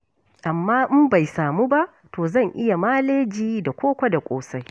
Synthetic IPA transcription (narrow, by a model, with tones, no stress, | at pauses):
ʔa˨mːaː˦ʔɪ˦mba˨jsaː˨mu˦ba˦ʔ | toː˨zɐ˦˨ŋʔɪ˦ja˨maː˦leː˦d͡ʒiː˦da˨kʷoː˦kʷa˦da˨kʷʼoː˨sa˦j